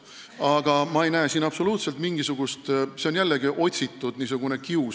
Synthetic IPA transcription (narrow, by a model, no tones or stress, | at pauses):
ɑɡ̥ɑmɑe̞jnæesiːnɑpso̞luːt̪se̞lt̪miŋɡ̥isuɡ̥ust̪seo̞njælːe̞ɡiʔo̞t̪ʲsit̪ːˑud̪̥niːs̬uɡ̥une̞kiu